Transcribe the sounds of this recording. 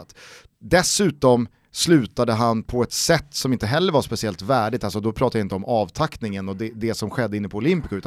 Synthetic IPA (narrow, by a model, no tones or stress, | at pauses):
t̪ | d̪ɛsʉ̟ːt̪ɔm | slʉ̟ːt̪ad̪əɦanpʰɔɛt̪sɛt̪ːsɔmɪnt̪əɦɛlːəɾvaʂpɛsɪɛlt̪væːɖɪt̪alsɔd̪ɔpʰɾɑːt̪ad̪jaɪnt̪əɔmʔɑːvt̪ʰaknɪŋənɔd̪ɛd̪ɛsɔmɧɛd̪ːəɪnːəpʰɔʊlɪmpɪkaʉ̟ːt̪